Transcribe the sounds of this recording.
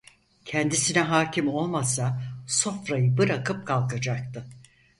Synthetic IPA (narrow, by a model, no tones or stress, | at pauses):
cʰɛnd̪isinɛɦaːcʰimo̞lˠmasaso̞fɾajɯbɯɾakɯp̚kʰalˠkad͡ʒak̚t̪ʰɯ